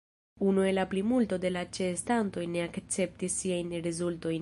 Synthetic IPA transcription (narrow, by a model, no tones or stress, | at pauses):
unue̞laplimulto̞de̞lat͡ʃestanto̞jne̞akt͡se̞p̚tisːiajnɾezulto̞jn